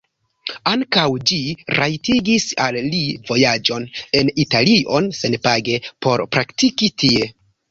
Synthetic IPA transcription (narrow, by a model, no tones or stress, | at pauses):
aŋkawd͡ʒiɾʔajtiɡisa̰lːivo̞jad͡ʒo̞ne̞nitaliʔo̞nse̞npaɡe̞po̞ɾpɾaktikitʰie̞